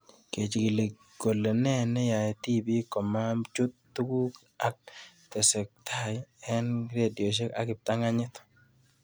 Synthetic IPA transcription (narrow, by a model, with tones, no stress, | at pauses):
ke˨t͡ʃi˨ki˨le˨ | ɡ̥o˨lːe˨nɛ˦nɛ˦ja˨t̪i˦bi˦kɔ˨ma˦mt͡ʃʊ˦t̪ːu˦ku˦k | a˦k̚ | t̪ɛ˨sɛ˨k̚t̪ʰa˦jɛ˦nɾe˦djo˨ʃ̬e˦ka˦kɪ˨p̚t̪a˦ŋa˦ɲɪ˦t̪